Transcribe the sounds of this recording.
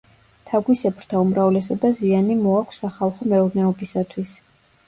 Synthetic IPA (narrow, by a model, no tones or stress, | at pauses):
t̪ʰaɡwisɛpʰɾt̪ʰaumɾavlɛsɔbazianimɔakʷʰsaχalˠχɔmɛuɾnɛɔbisat̪ʰwis